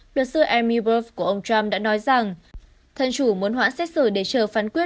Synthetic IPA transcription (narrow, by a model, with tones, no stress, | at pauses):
lɨ˨˩k̚sɨ˧ʔɛ˧mi˧bo˧˥fku˧˩əʔə˧wŋ͡mt͡ɕwa˧mɗa̰ː˧˥nɔ˨˦jza˨˩ŋ | t̪ʰə˨˩nt͡ɕu˧˩mu˨˦ənɦwa̰ː˧˥nsɛ˦˥t̚sɨ˧˩ɗe˧˩t͡ɕəː˨˩faː˨˦nkwi˦˥ət̚